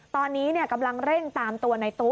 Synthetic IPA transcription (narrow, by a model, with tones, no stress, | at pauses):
t̪ɔː˧nːiː˦˥ni˥˩ɐka˧mla˧ŋɾe˥˩ŋt̪aː˨˩mt̪u˧ɐna˧jt̪u˦˥